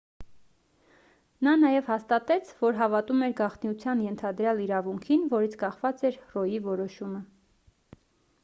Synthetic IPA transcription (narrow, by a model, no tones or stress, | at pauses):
nɑnɑjɛvhɑst̪ɑt̪ɛt͡sʰvɔɾɦɑvɑt̪umɛɾɡɑχt̪niut͡sʰjɑnjɛnt̪ʰɑd̪ɾjɑliɾɑvuŋkʰinvɔɾit͡sʰkɑχvɑt͡sɛɾrɔjivɔɾɔʃumə